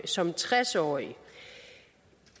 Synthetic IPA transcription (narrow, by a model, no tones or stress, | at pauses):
sɒ̽mt͡sʰʁasɒ̰ːi